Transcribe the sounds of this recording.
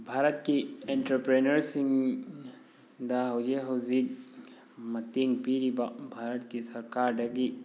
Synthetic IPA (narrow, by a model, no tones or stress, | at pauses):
bʱaːɾət̪kiẽɳʈɾəpɾeːnəɾsĩŋɡ | d̪aɦod͡ʒeɦozid | mɐt̪iŋɡpiɾibbʱaːɾət̪kisɐɾkaːɾɖɐɡi